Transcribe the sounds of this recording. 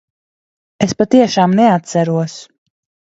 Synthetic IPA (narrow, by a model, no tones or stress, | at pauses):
espat̪iɛʃaːmnɛat̪sæɾuɔs